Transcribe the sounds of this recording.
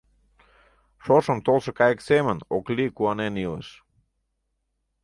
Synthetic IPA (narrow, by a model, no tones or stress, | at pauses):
ʃoʃə̆mt̪olˠʃə̆kɑjəksemənoklikuɑnenilˠə̰ʃ